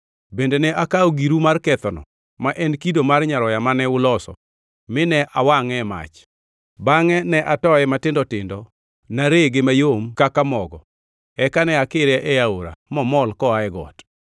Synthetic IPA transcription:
bendenɛʔakaɔɡiɾumarkɛt̪ɔnɔ̰ | maʔɛnkidomarɲaɾɔjamanɛʊlɔsɔ̰ | mɪnɛʔawaŋɛma̰t͡ʃ | baŋɛnɛʔatɔɛmatɪndɔtɪndɔ | naɾeɡemajomkakamɔɡɔ̰ | ɛkanɛakɪɾɛʔɛjaoɾa̰mɔmɔlkɔaɛɡɔ̰t

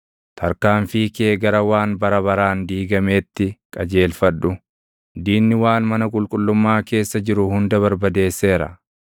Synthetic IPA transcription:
t̪ʰɐɾkaːɱfiːkeːɡɐɾɐwaːnbɐɾɐβɐɾaːnd̪iːɡɐme̞ːt̪ːɪkʼɐd͡ʒe̞ːlfɐɗːʊ | d̪iːnːɪwaːnmɐnɐkʼʊlkʼʊlːʊmːaːke̞ːsːɐd͡ʒɪɾʊhʊnd̪ɐβɐɾbɐd̪e̞ːsːe̞ːɾɐ̰

